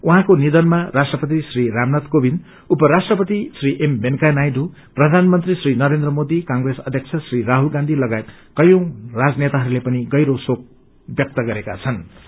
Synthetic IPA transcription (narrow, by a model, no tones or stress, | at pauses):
uɦãkonid̪ʌnmarasʈrʌpʌt̪isriɾamnʌt̪kobin | upʌɾasʈrʌpʌt̪isriʔembenkanajdu | prʌd̪ʱanmʌnt̪risrinʌɾend̪rʌmod̪ikaŋɡresʌd̪ʱjʌk̚t͡sʰʌsriɾaɦulɡãnd̪ʱilʌɡaet̪̚kʌjõrad͡znet̪aɦʌɾulepʌniɡʌjɾosok̚ | bjʌk̚t̪ʌɡʌɾeka̰t͡sʰʌn